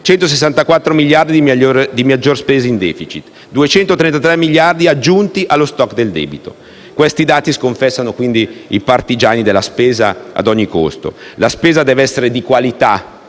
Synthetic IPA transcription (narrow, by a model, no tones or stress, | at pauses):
t͡ʃɛnt̪os̬es̬ːant̪akwat̪ːɾomiljard̪id̪iod̪imad͡ʒːorspeːzaind̪ɛːfit͡ʃit̪ | d̪uet͡ʃɛnt̪ot̪ɾɛnt̪at̪ɾɛmːiʎjard̪iad͡ʒːunt̪iʔalːost̪ɔkːd̪eld̪ɛ̰ːbit̪o̰ | kwest̪id̪aːt̪iskoɱfɛsːanokwind̪iipart̪id͡ʒaːnid̪elːaspeːzaa̰d̪ɔɲːiko̰st̪o̰laspeːzad̪ɛːveɛsːeɾed̪ikwalit̪a